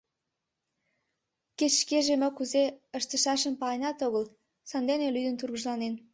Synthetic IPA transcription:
ket͡ɕːʃkeʒemə̆kuzeəʃt̪ə̆ʃɑʃə̆mpɑjnɑt̪oɣəl | sɑnd̪enelyd̪ənt̪urɣəʒlɑnen

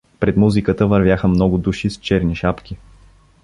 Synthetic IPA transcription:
pɾɛd̪muzikət̪əvɐɾvʲjaxəmnɔɡʊd̪uʃist͡ʃɛɾniʃapk̟i

